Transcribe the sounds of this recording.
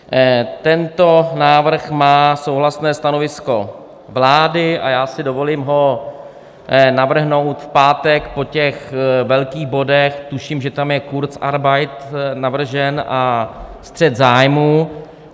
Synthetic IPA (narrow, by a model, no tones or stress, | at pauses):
t̪ɛnt̪o̞naːvr̩xmaːso̞wɦlasnɛːst̪anovɪsko̞ | vlaːdɪʔa̰jaːsɪdovo̞limɦo̞ | navr̩ɦno̞wt̪fpaːt̪ɛkpo̞cɛxvɛlkiːɣbo̞dɛxt̪uʃiːmʒɛt̪amjɛkuɾt͡saɾbajt̪navr̩ʒɛnʔast̪r̝̥ɛt̪zaːjmuː